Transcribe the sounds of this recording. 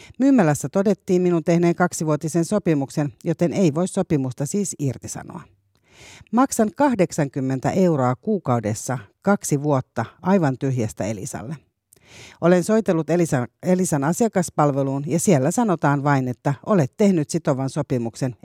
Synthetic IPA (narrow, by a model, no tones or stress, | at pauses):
myːmːælæsːæt̪o̞de̞t̪ːiːmminunt̪e̞hne̞ːŋkɑksiʋuot̪isenso̞pimukse̞njo̞t̪e̞ne̞iʋo̞isso̞pimust̪ɑsiːsirt̪isɑ̰no̰ɑ | mɑksɑŋkɑhde̞ksɑŋkymːe̞nt̪æ̰ʔe̞uɾo̞ɑkuːkɑude̞sːɑkɑksiʋuo̞t̪ːɑʔɑjʋɑnt̪yɦjæst̪æe̞lḭsɑ̰lːe | ʔole̞nso̞jt̪e̞lːut̪eliselisɑnɑsiɑkɑspɑlʋe̞luːnjɑsielːæsɑno̞t̪ɑːnʋɑine̞t̪ːæo̞le̞t̪ːe̞hnyt̪sit̪o̞ʋɑnso̞pimukse̞n